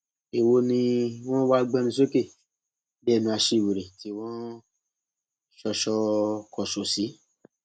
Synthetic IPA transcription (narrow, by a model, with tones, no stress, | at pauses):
e˨wo˧nĩ˧w̃ɔ̃˦wa˦ɡ͡bɛ̃˧˦mĩ˧so˦ke˦˨ | bɛ˦˨nĩ˧a˧ʃe˧˦˨we˨ɾe˨ti˨˦w̃ɔ̃˦ | ʃɔ˧ʃɔ˧kɔ˨ʃo˨si˨˦